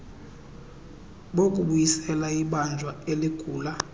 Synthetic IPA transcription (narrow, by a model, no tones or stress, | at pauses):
ɓok̬ʼuɓujisɛlaiɓand͡ʒʱwaeliɡ̥ʱuːla